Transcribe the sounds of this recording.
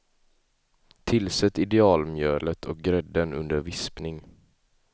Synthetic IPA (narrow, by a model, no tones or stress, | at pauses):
t̪ʰɪlsɛt̪ːɪd̪ɛɑːlmjøːlət̪ʰɔk̚ɡɾɛd̪ːənɵ̰nd̪əɾvɪspnɪŋ